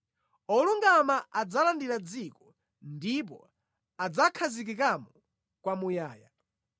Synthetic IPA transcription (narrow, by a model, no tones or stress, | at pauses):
ɔluŋɡamaʔad͡zalandiɾad͡zikɔ | ndip̬ɔ̰ | ad͡zakʰazik̬ikamɔ | kwamujaːja